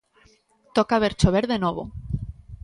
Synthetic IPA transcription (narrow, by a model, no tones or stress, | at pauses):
t̪okaβ̞eɾt͡ʃoβeɾðenoβ̞o̰